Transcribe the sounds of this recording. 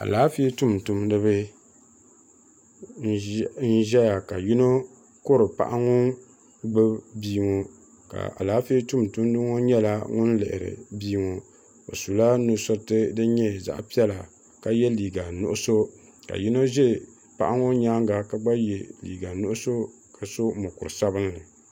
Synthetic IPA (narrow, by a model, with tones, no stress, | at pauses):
a̰˨laː˨˦fi˦e˦tu˦mtu˨mdɨ˦βɨ˦ | n˦n̩˦ʒɛ˦ja˨ka˨ji˦no˦ | ko˦ɾɨ˨pa̰˦ʔa˦ŋʊ˦ | ɡ͡bɨ˦biː˦ŋo˨ | ka̰˨a̰˨laː˨˦fi˦e˦tu˦mtu˦mdɨ˦ŋo˦ɲɛ˦la˦ŋʊ˦n˦lɛ˨ʔɪ̰˨ɾɨ̰˨biː˦ŋo˨ | o̰˨su˨la˦nʊ˨sʊ˦ɾtɨ˦dɨ˦ɲɛ˦za̰˦ʔpi˦ɛ˦la˨ | ka˨jɛ˦liː˨ɡa˨nʊ̰˦ʔʊ˦so˦ | ka̰˨ji˦no˦ʒɛ˦ | pa̰˨ʔa˦ŋo˦ɲaː˦ŋɡa˨ka˦ɡ͡ba˦jɛ˨lḭː˨ɡa˨nʊ˦ʔʊ˦so˦ | ka˨so˦mʊ˨kʊ˨ɨ˨sa˦bɨ˦nlɨ˨